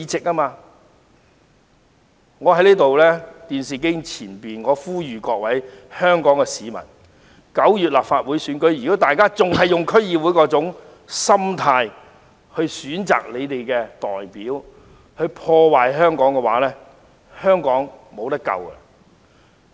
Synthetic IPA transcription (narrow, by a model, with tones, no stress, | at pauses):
i˨˧t͡sɪ˨k̚aː˥maː˧ | ŋɔː˨˧hɐ˨˥jliː˥t̪o˨wlɛː˥t̪iː˨nsiː˨k̬ɪ˥ŋt͡sʰiː˨˩npiː˨nŋɔː˨˧fuː˥jyː˨˩kɔː˧k̚wɐ˨˥jhœː˥ŋkɔː˨˥ŋkɛ˧siː˨˧mɐ̰˨˩n | kɐ˨˥wjyː˨t̚laː˨p̚faː˧t̚wuː˨˥jsyː˨˥nkɵ˨˥ɥjyː˨˩ko˥t̪aː˨jkaː˥t͡sʊ˨ŋɦɐ˨jːʊ˨ŋkʰɵ˥ɥjiː˧wuː˨˥jkɔː˧˥t͡sʊ˨˥ŋ | sɐ˥mt̪ʰaː˧j | hɵ˧ɥsyː˨˥nt͡sa̰ː˨k̚le˨˧jt̪e˨jkɛ˧t̪ɔ̰ː˨jpiː˨˥w | hɵ˧ɥpʰɔː˧waː˨jɦœː˥ŋkɔː˨˥ŋkɛ˧waː˨˥lɛː˥ | hœː˥ŋkɔː˨˥ŋmo˨˧wt̪ɐ˥kɐ̰˨wɐ̰˧˨